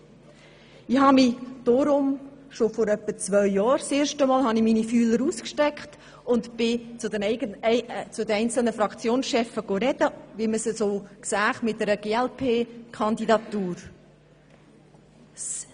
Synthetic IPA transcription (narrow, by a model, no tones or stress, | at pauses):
ɪhɑmɪd̥oɾʊmʃofoɾœpːət͡svœʏjɑːɾseːɾʃtəmɔːlɦɑniminifyːləɾuːskʃtɛkχt | ʊntb̥ɪt͡sʊdən | t͡sʊdɛnɛɪnt͡sl̩nəfɾɑkt͡sjoːnsʃɛfəɡ̥oɾɛd̥əʋiməsəsoːksæːχmɪt̚dɛɾəɡ̥eːɛlpʰeːkʰχɑnd̪idɑtuːɾ